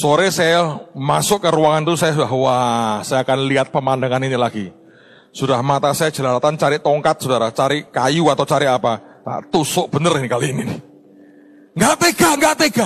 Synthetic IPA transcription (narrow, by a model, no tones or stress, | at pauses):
soɾesajamasʊʔkːəɾuwaŋant̪usajasudaɦwasajakanliɦat̪̚pəmandaŋaninilaɡ̥i | sudahmat̪asajḁd͡ʒ̥əlaɾat̪ant͡ʃaɾɪʔt̪ɔŋkat̪̚sudaɾat͡ʃaɾɪʔkajuat̪awt͡ʃaɾɪʔapaa̰ʔt̪usʊʔb̥ənərinikaliːninɪ | ŋɡaʔt̪eɡ̥aŋɡaʔt̪eɡ̥a